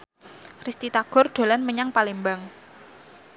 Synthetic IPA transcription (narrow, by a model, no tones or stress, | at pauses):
rist̪it̪aɡ̥ɔrɖ̪̥o̤lanməɲaŋpalembaŋ